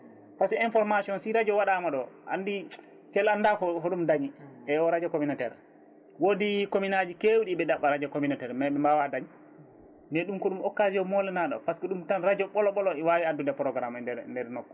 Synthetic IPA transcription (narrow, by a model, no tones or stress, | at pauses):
pasɛinfɔɾmasiɔnsiɾad͡ʒɔwaɗamaɗɔʔa̰ndi | t͡ʃɛlandakɔhɔɗumdaɲiɛɔɾad͡ʒakominatɛ̰ɾ | wodikominad͡ʒikewɗiɓɛɗaɓːaɾad͡ʒakominatɛɾmajɓɛmbawadaɲ | ndɛɗumkɔɗumɔkːasijɔmɔlɛnaɗɔ̰paskɔɗumtanɾad͡ʒɔɓɔlɔɓɔlɔɛwawiadundɛpɾɔɡɾamnɛndɛɾnɔkːɔ